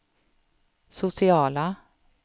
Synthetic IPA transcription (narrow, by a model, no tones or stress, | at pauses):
sʊsɪɑːla